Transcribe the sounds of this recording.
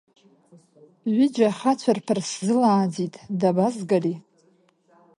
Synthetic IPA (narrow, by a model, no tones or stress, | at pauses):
ɥʷɪd͡ʒaχat͡ɕʷʰarpʰɨrszɨlaːd͡zitʼdabazɡari